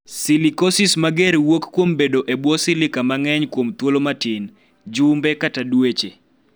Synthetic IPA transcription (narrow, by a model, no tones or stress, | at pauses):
silikosɪsmaɡɛɾwokkːwombedoʔebwɔsɪlɪkamaŋɛɲkwomt̪wolomatɪn | d͡ʒʊmbɛkatadwet͡ʃe